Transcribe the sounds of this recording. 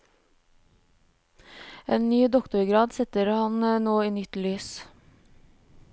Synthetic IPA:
eːnnyːd̪ɔkt̪ʊɾɡɾɑːd̪sɛt̪əɾhɑnənoːiːnʏt̪lyːs

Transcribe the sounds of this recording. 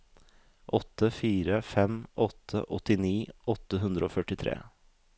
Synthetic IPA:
ʔɔt̪ʰːəfiːɾəfɛmʔɔt̪ʰːə̰ʔɔt̪ɪniːʔɔt̪ːəɦʉnd̪ɾəoːfœʈɪt̪ʰɾḛː

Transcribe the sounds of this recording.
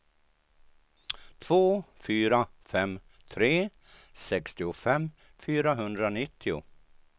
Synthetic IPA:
t̪ʰv̥oːfyːɾafɛmt̪ʰɾeː | sɛkst̪ɪʊfɛmː | fyːɾaɦɵnd̪ɾanɪt̪ʰːɪʊ̰

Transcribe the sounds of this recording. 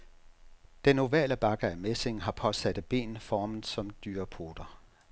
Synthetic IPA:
d̥eno̝ʋɛ̰ːləb̥ɑ̈ɡ̥əæmese̝ŋɦɑ̈pʰɒ̽sæd̥ðb̥e̝̰ːnfɒːmn̩ˠsɒ̽md̥yːɐpʰo̝ːd̥ɐ

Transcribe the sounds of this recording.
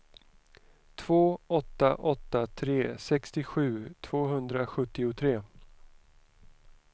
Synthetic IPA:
t̪ʰv̥oːɔt̪ːa̰ʔɔt̪ːat̪ʰɾeːsɛkst̪ɪɧʉ̟ːt̪ʰv̥oːɦɵnd̪ɾaɧɵt̪ːɪʊt̪ʰɾeː

